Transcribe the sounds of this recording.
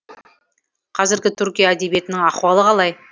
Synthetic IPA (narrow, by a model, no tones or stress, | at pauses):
qʰɑzɪɾɡʲɪt̪ʰʏɾkʲijaːd̪e̞bije̞t̪ɪnɪŋɑχwɑlˠəqɑlˠɑj